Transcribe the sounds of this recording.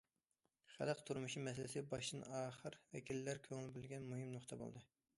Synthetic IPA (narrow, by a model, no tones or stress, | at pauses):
χæ̰lˠəqt̪ʰuɾmuʃimɛsɪlɪsɪbɑʃd̪ɨnɑːχəɾvɛ̰kʲʰilːæɾkʲʰøŋɪlbɪlɡʲɛnmuɦɨmnoχt̪ʰɑbo̰lˠd̪ɨ